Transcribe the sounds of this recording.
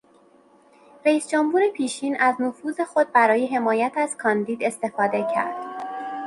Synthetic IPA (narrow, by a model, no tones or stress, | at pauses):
ɾæiːsd͡ʒomhuːɾe̞pʰiːʃiːnæznofuːze̞xo̞d̪̚bæɾɒːje̞ɦe̞mɒːjæt̪ʰæz̥kʰɒːnd̪iːd̪e̞st̪e̞fɒːd̪e̞cʰæ̰ɾd̪̥